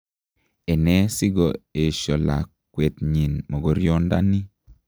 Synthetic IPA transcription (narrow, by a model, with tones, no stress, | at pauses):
e˨nɛ˦si˦ɡɔ˨e˨ʃɔ˨la̰˨kː | we˨t̪ɲi˨nmo˨ɡo˨ɾjo˦nda̰˦ni˦